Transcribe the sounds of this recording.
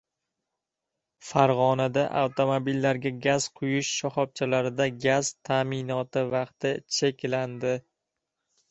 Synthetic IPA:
faɾʁɒnad̪aʔa̰wt̪ʰomobilːaɾɡʲaɡʲaz̥qʰʊjʊʃːɒχɒp̚t͡ʃʰalaɾɪd̪aɡʲaz̥t̪ʰamɪnɒt̪ɪvɑqt̪ɪt͡ʃʰekʲland̪ɪ

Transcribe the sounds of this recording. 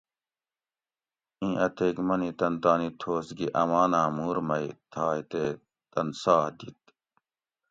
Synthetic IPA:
ĩːʔɐt̪ʰeːɡmɐnit̪ɐnt̪aːnit̪ʰoːsɡiʔɐmaːnãːmuːɾmɐit̪ʰaːjt̪eː | t̪ɐnsaːd̪it̪

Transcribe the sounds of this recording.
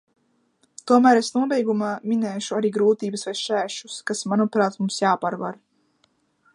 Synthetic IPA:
t̪uɔmæːɾesnuɔbɛjɡumaːminɛːʃuaɾiːɡɾuːt̪iːbɨsvajʃæːʃuskasmanupɾaːt̪mumsjaːpaɾva̰ɾ

